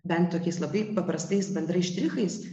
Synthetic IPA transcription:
bʲɛnt̪t̪oːkʲɛɪslˠɐbɐɪpɐpɾɐst̪ɐɪsbʲɛnd̪ɾɐɪʃʲt̪ʲɾʲɪxɐɪs

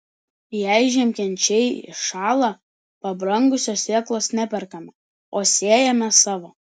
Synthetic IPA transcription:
jɛˑɪʒʲɛmʲkʲɛnʲt͡ʃʲɛɪɪ̰ʃɑːlˠɑ | pɐbɾɐŋɡʊsʲoːsʲeːklˠoːsnʲæpʲɛɾkɐmʲɛ | oːsʲeːjɛmʲɛsɑːʋoː

